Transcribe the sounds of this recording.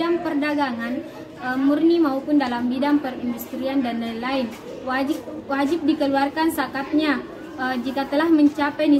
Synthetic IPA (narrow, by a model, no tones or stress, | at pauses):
aŋpərdaɡaŋan | əmurnimaupʊndalambidaŋpərindust̪ɾiandanalaɪn | wad͡ʒɪp̚wad͡ʒɪp̚dikəluarkansakat̪̚ɲa | əd͡ʒikat̪əlahməɲt͡ʃapɛjni